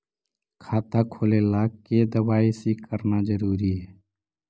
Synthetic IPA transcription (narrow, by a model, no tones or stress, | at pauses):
kʰaːt̪akʰoːlelaːked̪əʋaːisikəɾnazəɾuːɾiɦɛː